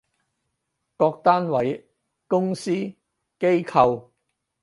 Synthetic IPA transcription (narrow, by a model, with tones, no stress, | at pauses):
kɔː˧k̚t̪aː˥nwɐ˨˥j | kʊ˥ŋsiː˥ | ke˥jkʰɐ˨˧w